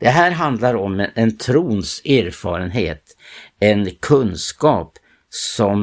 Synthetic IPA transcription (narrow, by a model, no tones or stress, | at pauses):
d̪̥ɛɦæːɾɦand̪laɾɔmɛnt̪ʰɾuːnsæːɾfɑ̰ːɾənɦeːt̪ | ɛnkʰɵnskɑːp | sɔm